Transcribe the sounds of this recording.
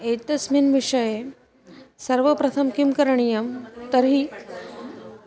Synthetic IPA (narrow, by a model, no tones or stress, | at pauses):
et̪ɐsminʋiʂɐje | sɐɾʋəpɾɐt̪ʰɐmkimkɐɾɳ̃ijɐmt̪əɾɦiː